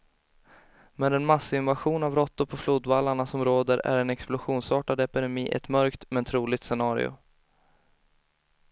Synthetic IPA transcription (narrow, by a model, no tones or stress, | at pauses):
mɛd̪ɛnmasːɪnvaɧuːnavɾɔt̪ːʊɾpʰɔfluːd̪valːaɳasɔmɾoːd̪əɾæ̰ɾɛnɛksplʊɧuːnsɑːʈad̪ɛpɪd̪ɛmiːʔɛ̰t̪mœɾkt̪mɛnt̪ʰɾuːlɪɡ̚t̪sɛnɑːɾɪ̰ʊ̰